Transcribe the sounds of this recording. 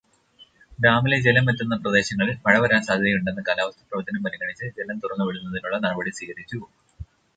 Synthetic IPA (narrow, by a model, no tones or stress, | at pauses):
ɡɾaːmiled͡ʑelɐmːet̪ːunːɐprɐd̪e̞ːɕɐŋːɐɭilpɐɻɐʋɐɾaːnsaːd̪ʱɐnɐjuɳɖenːɐkaːlaːʋɐst̪ʰɐ̥prɐʋɐt̪ːɐnɐmpɐɾiŋɐɳit͡ɕːɨd͡ʑelɐmt̪urɐŋːuʋeɽunːɐðinuɭːɐnɐɽɐbɐɽisiːɣɐɾit͡ɕːu